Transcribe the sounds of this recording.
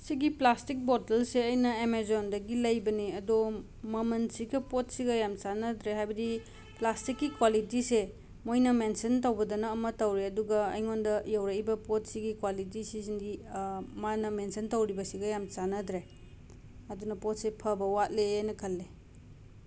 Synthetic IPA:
siɡiplastik̚bɔtɐlseɐjnɐemezondɐɡilɐjbɐniɐdo | mɐmɐnsiɡɐpot̚siɡɐjamsanɐdɾeɦajbɐdi | plastikːikwalitise | mojnɐmensɐntɐwbɐdɐnɐːmɐtɐwɾeɐduɡɐɐjŋondɐjawɾɐjbɐpot̚siɡikwalit̬isisindimanɐmensɐntɐwɾibɐsiɡɐjamt͡ʃanɐdɾe | ɐdunɐpot̚sepʰɐbɐwat̚leajnɐkʰɐlːe

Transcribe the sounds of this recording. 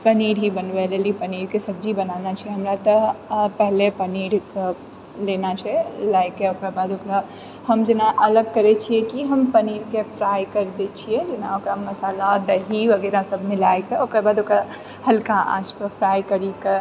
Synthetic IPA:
pəniːɾɦibənʋɛlelipəniːɾkesɐb̚d͡ʒibɐnaːnat͡ʃʰiɛɦɐmɾat̪ɔpɛɦlepəniːɾ | leːnat͡ʃʰɛlaːjkeokebaːd̪okɾa | ɦɐmd͡ʒɪnaʔɐləɡ̚kɐɾet͡ʃʰiekiɦəmpəniːɾkepʰɾaːjkəɾd̪et͡ʃʰied͡ʒɪnaokɾamːɐsaːlaɾəɦiʋɐɡɛːɾasɐbʱnẽlaːjkeokɛbaːd̪okɾa | hɐlkãʔa̰ːd͡ʒpəpʰɾaːjkəɾike

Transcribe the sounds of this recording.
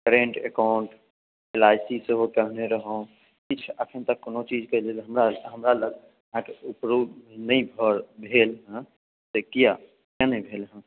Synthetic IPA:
kəɾeɳʈekaʊɳʈ | elaːɪsiseɦokəɦneɾəɦõ | kit͡ʃʰəkʰənt̪əkːonot͡ʃid͡ʒkəd͡ʒelɦəmɾaɦəmɾaləɡ | ãkeupɾuːd̪nəĩbʱəɾbʱeːlɦã | sekija | kjanəĩbʱeːlɦə̃

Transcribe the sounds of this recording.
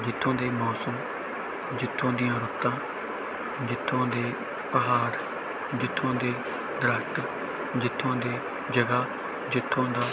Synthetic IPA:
d͡ʒɪt̪ʰːõːd̪eːmɔːsəm | d͡ʒɪt̪ʰːõːd̪ɪjãːɾʊt̪ːãː | d͡ʒɪt̪ʰːõːd̪eː | pəɦaːɾ | d͡ʒɪt̪ʰːõːd̪eː | d̪ɾaːʃt̪ə | d͡ʒɪt̪ʰːõːd̪eː | d͡ʒəɡaː | d͡ʒɪt̪ʰːõːd̪aː

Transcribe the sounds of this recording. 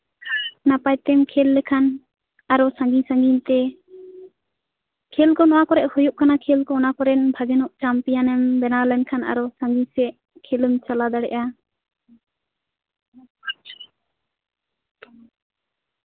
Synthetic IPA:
napajt̪ɛmkʰɛlːɛkʰan | aɾɔsãŋɡisãŋɡint̪ɛ | kʰɛlkɔnɔwakɔɾɛʔhɔjuʔkanakʰɛlkɔɔnakɔɾɛnbʱaɡɛnɔʔt͡ʃampijanɛmbɛnaɾlɛnkʰana̰ɾɔsãŋɡisɛʔ | kʰɛləmt͡ʃalad̪aɽɛ̰ʔa

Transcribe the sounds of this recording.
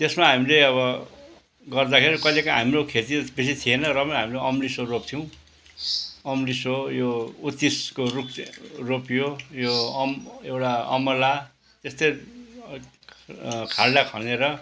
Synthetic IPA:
t̪esmaɦamileʌβʌ | ɡʌrd̪akʰeɾikʌjlekãɦamɾokʰet̪ibes̬it̪ʰienʌrʌbʌɦamileʌmlisorop̚t̪ʰiw̃ | ʌmlisojout̪iskorukropjojomewʈaʌ̰mʌla | t̪est̪ʌj | kʰaɽɖakʰʌneɾʌ

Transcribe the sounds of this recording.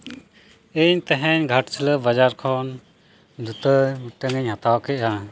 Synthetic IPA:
eɲt̪ɛɦɛ̃ɲɡʱɐʈt͡ʃʰələbɐd͡ʒaɾkʰɔn | d̪ʱut̪əʈəŋəɲɦat̪awkɛʔa

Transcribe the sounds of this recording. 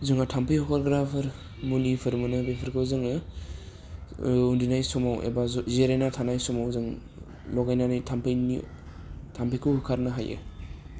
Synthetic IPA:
zɯŋatʰampʰɯjɔkʰɔɾɡɾapʰɯɾ | mulipʰɯɾmɯnɯbepʰɯɾkʰɯwzɯŋɯ | undinajsɔmawḛbazzeɾenatʰanajsɔmawzɯŋ | lɔɡajnanajtʰampʰejnḭ | tʰampʰejkʰɯwhukʰaɾnɯɦajɯ̰

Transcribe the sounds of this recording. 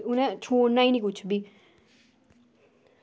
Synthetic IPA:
ʊnɛ̃t͡ʃʰoːɽnaːiːnĩkʊt͡ʃʰbiː

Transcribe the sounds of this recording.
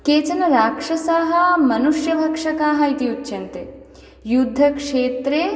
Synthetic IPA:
keːt͡ʃɐnɐɾaːkʂɐsaːɦɐmɐnuʂjɐbʱɐkʂɐkaːɦɐit̪iut̪ːʃɐnt̪e | jud̪ʱːɐkʂeːt̪ɾeː

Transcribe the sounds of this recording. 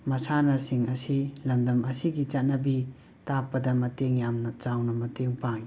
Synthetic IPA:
mɐsanɐsiŋɐsilɐmdɐmɐsiɡit͡ʃat̚nɐbi | tak̚pɐdɐmɐteŋjamnɐt͡ʃawnɐmɐteŋpaŋ

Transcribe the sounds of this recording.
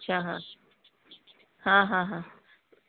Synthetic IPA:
tːʃʰaɦã̰ | hãɦãːɦã

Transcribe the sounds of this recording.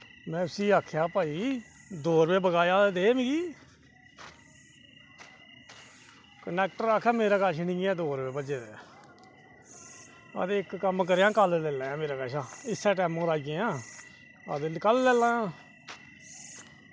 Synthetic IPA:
mɛ̃ːʊsiːaːkʰjaːpaːiː | d̪oːɾbeːbəɡaːjaːd̪eːmĩːɡiː | kənɛːk̚ʈəɾaːkʰːɛːmeːɾaːkaːʃnĩːɛ̃ːd̪oːɾbeːbəd͡ʒeːeː | ə̰d̪eːɪkːəmk̬əɾejãːkəllɛːlaːãːmeːɾaːkaːʃaːɪsːɛːʈɛːmõːɾaːɡẽːãː | ə̰d̪kəllɛːlãːãː

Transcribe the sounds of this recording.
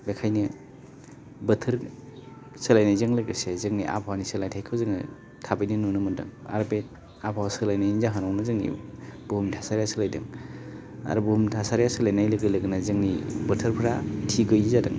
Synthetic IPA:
bekʰajnɯ | bɯtʰɯɾ | sɯlajnajzɯŋlɯɡɾɯsezɯŋniʔa̰pʰawnisɯlajtʰajkʰɯwzɯŋnɯ̰ | tʰabɯjnɯnunɯmɯndɯ̰ŋa̰ɾbe | apʰawasɯlajnajnizaɦanɔwnɯzɯŋnḭb̥uɦumtʰasaɾjasɯlajdɯ̰ŋ | a̰ɾubuhumtʰasaɾjasɯlajnajlɯɡɯjlɯɡɯnazɯŋnibɯtʰɯɾpʰɾatʰiɡɯjzadɯŋ

